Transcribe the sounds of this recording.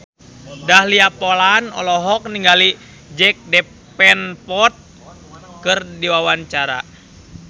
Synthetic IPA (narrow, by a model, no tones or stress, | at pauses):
dahliapolanɔ̰lɔɦɔk̚niŋɡali | d͡ʒɛk̚dɛ | pɛnpɔt̪̚ | kɨrdiwawaɲt͡ʃaɾa̰